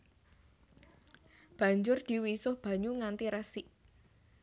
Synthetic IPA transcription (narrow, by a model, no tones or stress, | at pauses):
b̥ä̤ɲd͡ʒʊrd̪̥i̤wisʊhb̥a̤ɲuŋant̪iɾɛsiʔ